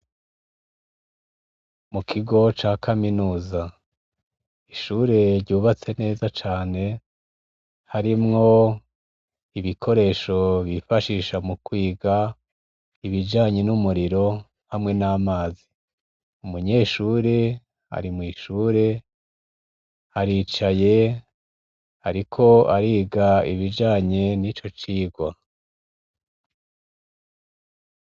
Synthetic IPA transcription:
mukʰiɡo̞t͡ʃaːkʰaminuːza | iʃuːɾe̞ɾɟuːβat͡se̞ne̞ːzat͡ʃaːne̞ | haɾimŋo̞ | iβikʰo̞ɾe̞ːʃo̞βifaʃiːʃamukwiːɡa | iβid͡ʒaːɲe̞numuɾiɾo̞ | hamŋe̞naːmaːzi | umuɲe̞ːʃuːɾe̞ | a̰ɾimŋiːʃuːɾe̞ | haɾiːt͡ʃaje̞ | haɾikʰo̞aɾiːɡaiβid͡ʒaːɲe̞nit͡ʃo̞t͡ʃiːɡwa

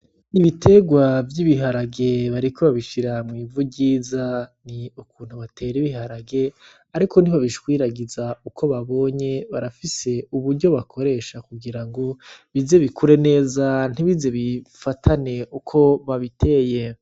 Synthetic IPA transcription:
iβitʰe̞ɡwavjiβiɦaɾaɡe̞βaɾikʰo̞βaβiʃiɾamŋiːvuɟiːzaniukuːn̥huβate̞ːɾiβiɦaɾaɡe̞ | aɾikʰo̞n̥iβaβiʃwiːɾaɡizaukʰo̞βaβo̞ːɲe̞βaɾafise̞uβuɾɟo̞βakʰo̞ɾe̞ːʃakuɡiɾaŋɡo̞βize̞βikʰuɾe̞ne̞ːzan̥iβize̞βifatʰane̞ʔukʰo̞βaβitʰe̞ːje

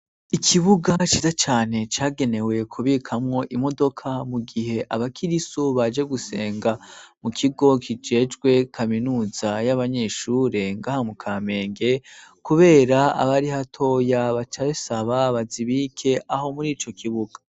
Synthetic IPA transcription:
ikʰiβuɡat͡ʃiːzat͡ʃaːne̞t͡ʃaːɡe̞ne̞we̞kʰuβikʰamŋo̞ʔimo̞do̞kʰamuɡiɦe̞ʔaβakʰiɾisoβad͡ʒe̞ɡuse̞̰ːŋɡamukʰiɡo̞kʰid͡ʒe̞ːd͡ʒɡwe̞kʰaminuːzajaβaɲe̞ːʃuːɾe̞ŋɡaːhamukʰaːme̞ːŋɡe̞kuβe̞ːɾaa̰βaɾihatʰo̞ːjaβat͡ʃasaβaβaziβiːkʰe̞aɦo̞muɾiːt͡ʃo̞kʰiβuɡ̥ḁ

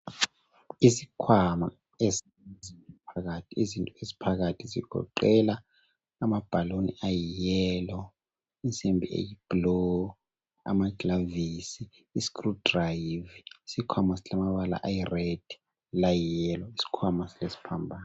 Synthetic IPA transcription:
isikʰwama | esi | zipʰak̬atʰiizintʼɔezi̥pʰak̬atʰizḭɡ̥ʱɔ̰ǃɛlaː | mab̥ʱalonḭajijɛlɔ | int͡sʼembʱḭʔḛjib̥lɔ | a̰maɡlavisiː | skʼrud̥rajvisikʰwamasilamaɓala̰ʔajired̥i | lajijɛːlɔisi̥kʰwamasilesi̥pʰambʱaːna

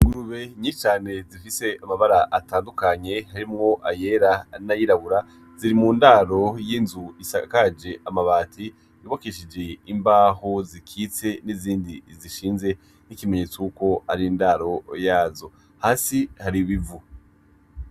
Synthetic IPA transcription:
ɡuɾuβe̞ɲit͡ʃaːne̞zifise̞amaβaɾaʔataːndukaɲe̞haɾimŋo̞ʔaje̞ɾanajiɾaβuɾa | ziɾimundaɾo̞jiːnzuisakad͡ʒe̞ʔamaβaːtʰi | joβokeʃid͡ʒe̞imbaːhozikʰiːt͡se̞niziːndiziʃiːnze̞ | nikime̞ɲet͡sokuko̞aɾiindaɾo̞jaːzo̞ | haːsihaɾiβivu

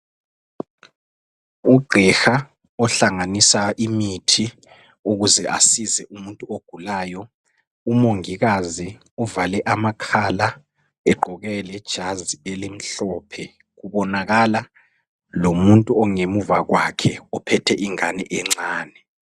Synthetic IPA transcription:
uɡ͡ǃʱɛxa | ɔɬaŋanisaimitʰi | uɣuzɛʔa̰sizɛʔumuntʼuoɡ̥ʱulaːjɔ | umoŋiɣazi | uvalɛʔamakʰala | ɛɡ͡ǃʱɔɣɛlɛd̥ʒ̥ʱazielim̩ɬɔːpʰɛ | ɣuβɔnaɣala | lomuntʼuɔŋemuvaɣwakʰɛɔpʰɛtʰɛʔiŋanɛ̰ʔɛŋ͡ǀaːnɛ

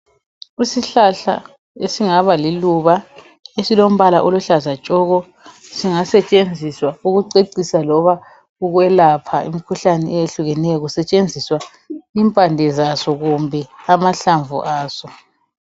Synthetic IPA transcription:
isiɬaɬa̰ | esiŋaβaliluβa | esilom̩βalaʔoluɬazat͡ʃʼɔɣɔ | siŋasɛt͡ʃʼend͡zʱiswauɣuǀeǀisalɔβa | uɣwɛlapʰaḭmikʰuɬanɛɛeɬuɣɛnɛjɔɣusɛt͡ʃʼend͡zʱiswa | iːmpʼandʱɛzasɔɣumbʱɛamaɬaɱvṵʔaːsɔ

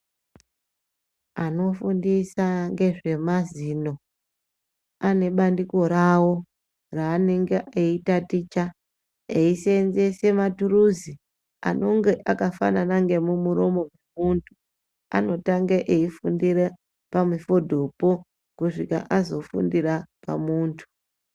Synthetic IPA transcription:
ano̞fundisaŋɡe̞ʐe̞mazino̞ | ane̞ɓandiko̞ɾawo̞ | raːneŋɡeʔeitatit͡ʃa | eisenze̞se̞matuɾuzi | a̰no̞ŋɡe̞ʔakafa̰nanaŋɡe̞mumuɾo̞mo̞mwe̞muntʰu̥ | a̰no̞taŋɡeʔeifundiɾe | pamifo̞dʱo̞po̞ | kuʂika̰ʔazo̞fṵndirapa̰muːntʰu̥

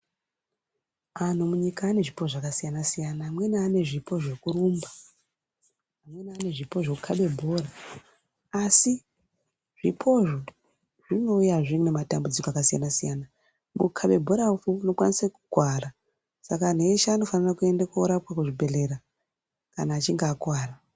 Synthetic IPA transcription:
an̤umuɲikaːne̞ʐipoʐakasijanasijanaːmwe̞nːne̞ʐipo̞ʐekuɾumba | mwe̞niane̞ʐipo̞ʐekukʰaɓe̞bʱo̞ːɾa | asi | ʐ̥ipʰo̞ʐo | ʐ̥ino̞ujaʐiŋunematambud͡zikoakasija̰nasijana | mṵkʰaɓe̞bʱo̞ɾaufuno̞kwanisakuɡʱwara | sakaneʃaːno̞fanirakue̞ndakouɾapwakuʐibʱe̞leɾa | kanaːt͡ʃiŋɡaːkwaːra

